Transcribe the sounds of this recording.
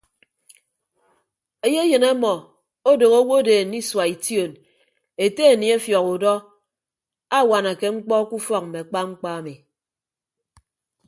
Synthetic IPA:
e˦je˦jɨ˨ne˦mɔ˨ | o˦do˨ɣo˦wo˦de˨ni˦swa˨i˨tjo˨n | e˨te˦e˨ni˨e˦fjɔ˨ku˨dɔ˦ | a˦˨wa˨na˨ke˦ŋ͡m̩˦k͡pɔ˦ku˦fɔ˦k̚m̩˨me˨a˨k͡pa˦ŋ͡m̩˦k͡pa˦a˨mi˨

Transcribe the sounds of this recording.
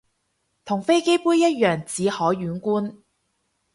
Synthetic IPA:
t̪ʰʊ˨˩ŋfe˥jke˥jpuː˥jːɐ˥t̚jœː˨˩ŋt͡siː˨˧hɔː˨˥ɥyː˨˥nkuː˥n

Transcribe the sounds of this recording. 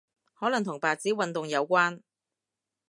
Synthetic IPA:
hɔː˨˥lɐ˨˩ŋt̪ʰʊ˨˩ŋpaː˨t͡siː˨˥wɐ˨nt̪ʊ˨ŋjɐ˨˧wkʷaː˥n

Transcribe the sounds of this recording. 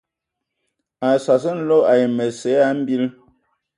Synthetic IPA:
a˨sa˨s̬ə˦n̩˦lo˦a˨jmə˨se˨˦a˦m̩˦bi˦l

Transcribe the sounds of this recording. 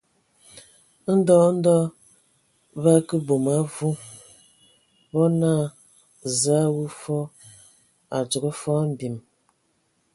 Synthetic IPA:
n̩˦dɔ˦n̩˦dɔ˦ | βa˦kə˦bo˨ma˨˦vu˦ | bɔ˦naː˦˨ | za˨˦wu˦fɔ˦ | a˨d͡ʒo˨ɡə˦fɔ˦m̩˨bi˨m

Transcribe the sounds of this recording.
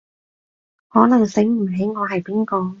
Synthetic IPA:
hɔː˨˥nɐ˨˩ŋsɪ˨˥ŋm̩˨˩ɦe˨˥jŋɔː˨˧ɦɐ˨jpiː˨˥nkɔː˧

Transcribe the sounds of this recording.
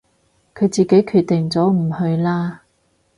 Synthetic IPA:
kʰɵ˨˧t͡siː˨ke˨˥jkʰyː˨˧t̚t̪ːɪ˨˩ŋt͡sɔː˨˥m̩˨˩hɵ˧ɥlaː˥

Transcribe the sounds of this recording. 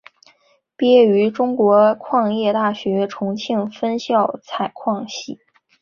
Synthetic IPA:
pjɛ˥y˧˥ʈ͡ʂʊ˥ŋkwɔ˧˥kʰwɑ˥˧ŋjɛ˥˧t̪a˥˩ɕɥɛ˧˥ʈ͡ʂʰʊ˧˥ŋt͡ɕʰi˥˩ŋfə˥nɕjɑ˥˩ʊt͡sʰa˨˩ɪkʰwɑ˥˧ŋɕi˥˩

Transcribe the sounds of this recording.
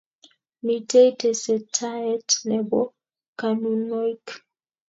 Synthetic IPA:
mi˨te˦i˦tɛ˨sɛ˨tʰa˦ɛ˦tnɛ˨bɔ˦ | ka˨nu˨nɔ˦jk

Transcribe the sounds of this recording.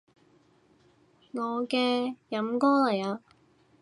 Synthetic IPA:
ŋɔː˨˧kɛː˧jɐ˨˥mkɔː˥lɐ˨˩jaː˧

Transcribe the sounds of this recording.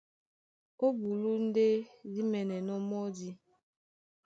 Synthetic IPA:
o˦bu˨lu˦n̩˦de˦di˦mɛ˨nɛ˨nɔ˦mɔ˦di˦

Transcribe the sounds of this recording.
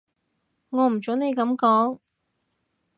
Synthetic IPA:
ŋɔː˨˧m̩˨˩t͡so˨˥wne˨˧jkɐ˨˧˥mkɔː˨˥ŋ

